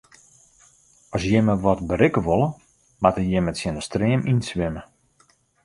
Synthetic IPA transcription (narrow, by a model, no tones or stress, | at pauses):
ɔsjɪməʋɔtbəɾɪkəʋolˠə | matəjɪmətsjɪnəstreəmʔinsʋɪmə